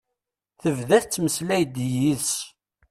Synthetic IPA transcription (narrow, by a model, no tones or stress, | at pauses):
θəvðæθt͡sːməslæjd̪jis